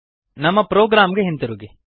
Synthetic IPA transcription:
nɐmːɐpɾoːɡɾaːmɡeɦent̪ɐɾuɡe

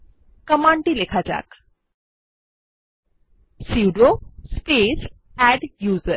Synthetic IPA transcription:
kəmãɳʈiːlekʰad͡ʑa̰k | siʋɖospes | æɖjuːzəɾ

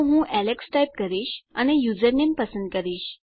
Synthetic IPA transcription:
ɦũːʔæleksʈajp̚kəɾiːɕa̰ɽ̃ñijud͡zəɾnempəsənd̪̚kəɾiːɕ

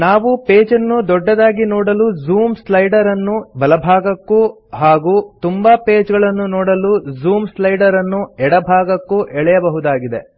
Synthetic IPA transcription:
naːʋupeːd͡ʒɐnːud̪ɔɖːɐd̪aːɡinɔːɽɐluzuːmslɐjɖɐɾɐnːubɐlɐbʱaːɡɐkːu | ɦaːɡuːt̪umbɐpeːd͡ʒɡɐɭɐnːunɔːɽɐluzuːmslɐjɖɐɾɐnːuɛɽɐbʱaːɡɐkːuʔɛɭɛjɐbɐɦud̪aːɡid̪e

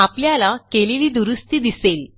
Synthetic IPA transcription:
apljalakeleliːd̪uɾust̪iːd̪isel

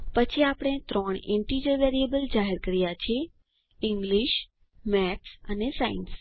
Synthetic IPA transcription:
pət͡ʃʰiapəɽ̃et̪ɾɔɳ̃ḛ̃ɳʈid͡ʒəʋeɾiebəld͡ʒaɦeɾkəɾjat͡ʃʰie | ɪŋɡliʃ | mɛʈsənesains

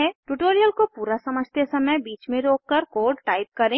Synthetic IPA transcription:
ɛʈuʈoːɾijəlkopuːɾasɐməd͡ʒʱt̪esɐməjbiːt͡ʃmẽɾoːkːəɾkoːɖʈaːɪp̚kɐɾẽː

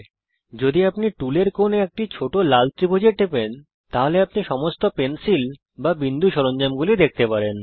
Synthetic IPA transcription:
d͡ʑod̪iapniʈuleɾkoneek̚ʈit͡ɕʰoʈolalt̪ɾibʱod͡ʑeʈ̪epen | t̪aɦoleap̚niʃɔmost̪opensil | babind̪ʱuʃɔɾond͡ʑamɡulid̪ek̚ʰt̪epaɾen

